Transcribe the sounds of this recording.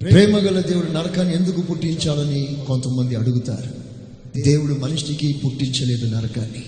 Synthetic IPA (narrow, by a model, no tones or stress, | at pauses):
ppɾɛːmɐɡɐlɐd̪e̞ːwuɽunɐɾɐkaːnːie̞nd̪ukupuʈːiɲt͡ʃaːlɐniko̞nt̪ɐmːɐnd̪iɐɽuɡut̪a̰ːɾu | d̪e̞ːwuɽumɐniʂʈikipuʈːiɲt͡ʃɐle̞ːd̪unɐɾɐkaːnːi